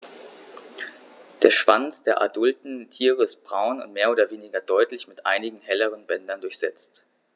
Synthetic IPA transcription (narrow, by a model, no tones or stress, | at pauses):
d̥eːɐʃv̥ant͡sd̥eːɐʔa̰dʊltn̩tʰiːʁ̞əɪst̚b̥ʁaʊnʊ̰ntmeːɐoːdɐveːnɪɡɐdɔʏtlɪçmɪtʔa̰ɪnɪɡŋ̩hɛləʁ̞ənbɛndɐndʊɐçz̥ɛt͡st